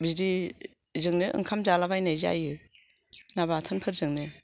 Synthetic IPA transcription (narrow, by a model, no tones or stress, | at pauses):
biɾi | zɯŋnɯʔɯ̰ŋkʰamzalabajnajza̰jɯ | naβatʰɯnpʰɯɾzɯŋnɯ